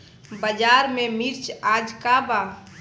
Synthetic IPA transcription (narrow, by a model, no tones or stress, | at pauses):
bəd͡ʒaːɾmẽmiɾt͡ʃaːd͡ʒkaba